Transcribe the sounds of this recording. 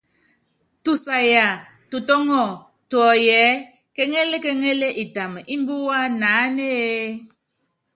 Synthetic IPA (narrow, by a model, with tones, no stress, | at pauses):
tu˨sa˨ja˨ | tu˨tɔ˦ŋɔ˦˨ | twɔ˨jɛ˨˦ | ke˦ŋe˦le˦ke˦ŋe˦le˦ʔi˨ta˨m˨ʔi˦m˦bu˦wa˦na˨˦ne˦e˦